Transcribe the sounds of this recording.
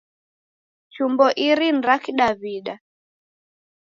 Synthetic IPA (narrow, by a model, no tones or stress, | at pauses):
t͡ʃumbɔʔiɾin̩ɾakiɗaβiɗa